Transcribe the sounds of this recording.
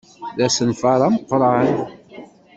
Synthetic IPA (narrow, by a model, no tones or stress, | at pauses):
ðæsənfɑɾˤɑməqːɾˤɑən